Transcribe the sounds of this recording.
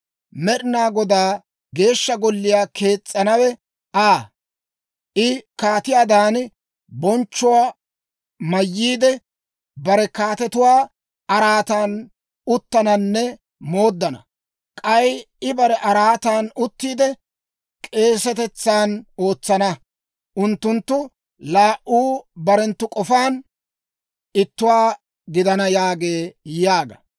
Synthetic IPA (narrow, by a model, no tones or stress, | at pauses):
mɛɗɪnaːɡɔd̪aː | ɡe̞ːʃːɐɡɔlːɪjaːke̞ːt͡sʼːɐnɐwɛ | ʔaː | ʔɪkaːt̪ɪjaːd̪aːn | bɔnt͡ʃːʊwaː | mɐjːiːd̪ɛ | bɐɾɛkaːt̪ɛt̪ʊwaː | ɐɾaːt̪aːn | ʊt̪ːɐnɐnːɛ | mo̞ːd̪ːɐnɐ̰ | kʼɐj | ɪbɐɾɛʔɐɾaːt̪aːnʊt̪ːiːd̪ɛ | kʼe̞ːsɛt̪ɛt͡sːaːno̞ːt͡sːɐnɐ | ʔʊnt̪ːʊnt̪ːʊ | laːʔʔuːbɐɾɛnt̪ːʊkʼɔfaːn | ɪt̪ːʊwaː | ɡɪd̪ɐnɐjaːɡe̞ːjaːɡɐ̰